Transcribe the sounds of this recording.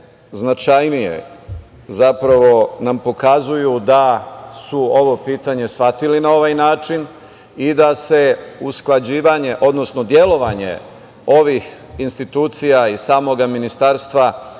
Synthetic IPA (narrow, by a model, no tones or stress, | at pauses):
znat͡ʃajnijḛ | zapɾaʋo̞nampo̞kazujud̪asuo̞ʋo̞piːt̪aɲe̞sʋat̪ilinao̞ʋajnaːt͡ʃin | id̪ase̞usklˠad͡ʑiːʋaɲe̞ʔo̞d̪no̞sno̞d̪je̞lo̞ʋaɲe̞̰ | o̞ʋix | inst̪it̪uːt̪sijaisaːmo̞ɡaminist̪aːɾst̪ʋa